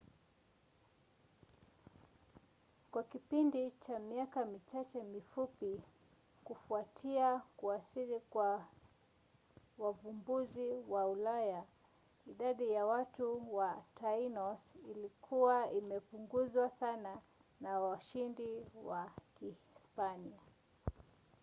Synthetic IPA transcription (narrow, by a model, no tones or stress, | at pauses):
kwakipindit͡ʃamiakamit͡ʃat͡ʃɛmifupi | kufuatʰiakuasiɾikwa | wavumbuziwaulaja | iɗaɗijawatuwatʰainɔsilikʰuwaimɛpuŋɡuzwasana | nawaʃindiwaki | spania